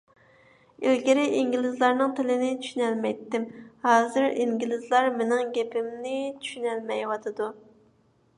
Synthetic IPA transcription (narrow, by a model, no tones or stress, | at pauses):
ilɡʲɪɾɪʔiŋɡʲilɪzlˠɑɾnɨŋt̪ʰɪlɪnɪt͡ʃʰy̥ʃynɛlmɛjt̪ːɪmhɑːzɨɾiŋɡʲilɪzlˠɑɾmenɪŋɡʲɛpʰɪmnɪt͡ʃʰy̥ʃynɛlmɛjwɑt̪ʰɨd̪u